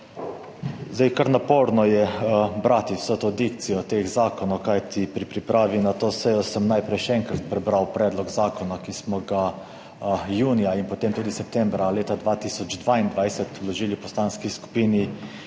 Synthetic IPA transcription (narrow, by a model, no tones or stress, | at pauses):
zd̪ajkaɾnapoːɾnɔjɛbɾaːt̪iwsət̪oːd̪ik̚t̪sijɔt̪eːxzaːkɔnɔwkajt̪ipɾipɾipɾʔaːʋinat̪oːsɛjɔsəmnajpɾɛjʃɛɛŋkɾat̪̚pɾɛbɾawpɾɛːd̪lɔɡzaːkɔnakismɔɡa | juːnijainpɔt̪eːmt̪uːd̪isɛp̚t̪ɛmbɾaleːt̪ad̪ʋaːt̪isɔd͡ʒd̪ʋaind̪ʋajsɛt̪lɔʒiːlipɔst̪aːnskisku̥piːni